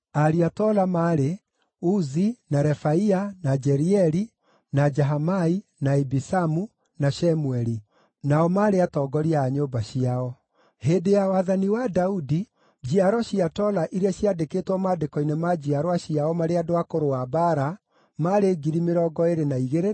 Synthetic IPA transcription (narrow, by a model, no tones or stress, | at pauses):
aɾiatɔlamaːɾe | uzinaɾɛfaianad͡ʒɛɾiɛɾi | nad͡ʒɛɦamainaɛbisamu | naɕɛmuɛɾi | naɔmaːɾeatɔɡɔɾiaaɲobaɕiaɔ | hedejawaðaniwadaudi | d͡ʑiaɾɔɕiatɔlaʔiɾaɕiadekeːtwɔmaːdekɔinemad͡ʑiaɾwaɕiaɔmaɾeadoakoɾoabaɾa | maɾeɡiɾimeɾɔɡɔeɾenaiɣeɾe